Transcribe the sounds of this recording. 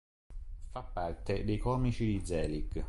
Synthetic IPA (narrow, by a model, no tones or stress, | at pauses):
fapːart̪ed̪ejkɔːmit͡ʃid̪id̪zɛːliɡ